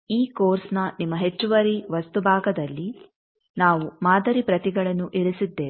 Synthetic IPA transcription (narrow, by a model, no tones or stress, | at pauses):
iːkoːɾsnɐnimːɐɦe̞t͡ʃːuʋɐɾiʋɐst̪ubʱaːɡɐd̪ɐlːi | naːʋumaːd̪ɐɾipɾɐt̪iɡɐɭɐnːuʔiɭusid̪ːe̞ː